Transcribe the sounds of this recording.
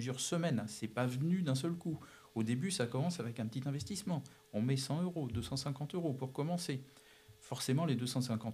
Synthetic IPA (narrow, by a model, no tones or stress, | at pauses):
yzjœʁsəmɛnsɛpavənyd̪ɛ̃s̬œlku | od̪ebysakɔmɑ̃savɛkɛ̃pət̪it̪ɛ̃vɛst̪ismɑ̃ | ɔ̃mɛsɑ̃øʁod̪øsɑ̃sɛ̃kɑ̃t̪øʁopuʁkɔmɑ̃se | fɔʁsemɑ̃led̪øsɑ̃sɛ̃kɑ̃t̪